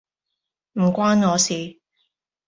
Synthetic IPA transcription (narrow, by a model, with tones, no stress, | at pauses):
m̩˨˩kʷwaː˥nŋɔː˨˧siː˨